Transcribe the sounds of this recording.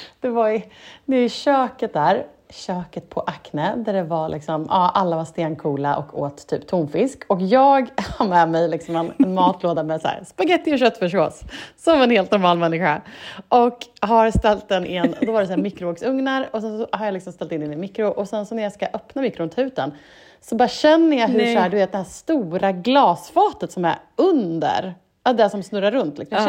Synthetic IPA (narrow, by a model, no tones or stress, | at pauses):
d̪̥ɛvaɾd̪ɛɛɪɕøːkət̪̚d̪æːɾ | ɕøːkət̪̚pʰɔʔaknəd̪æɖɛvalʔɪ̰ksɔmɑːʔalːavast̪eːnkʰuːlaʔɔ̰kʰːo̰ːt̪ʰːy̰ːpt̪ʰunfɪskʰɔkjɑːɡhaɾmɛmɛjlɪksɔmɛnɛnmɑːt̪ʰloːd̪amɛsæ̰ːɾspaɡɛt̪ːɪɔɕœt̪ːfœʂo̰ːsːɔmɛnheːlt̪nɔɾmɑːlmɛnːɪɧaʔɔkɦaɾst̪ɛlt̪̚d̪ɛnʔɪnːɔd̪ɔvaɖɛs̬aæːmɪkɾʊoːksɵŋnaɾɔsɛnsɔhaɾjalɪksɔmst̪ɛlt̪ɪnɪnɪnmɪkɾʊʔɔsɛnsɔnæɾjaskaʔœpnamɪkːɾʊʊnt̪ʰʉ̟ːt̪ən | sɔbɑːɾaɕɛnːəjɑɦɵʂhæːɖ̪ɵveːt̪̚d̪ɛhæːʂt̪uːɾaɡlɑːsfɑːt̪ət̪sɔmæ̰ɾɵnd̪ə̰ɾ | ad̪ɛsɔmsnɵɾːaɾɵnt̪lɪksɔjm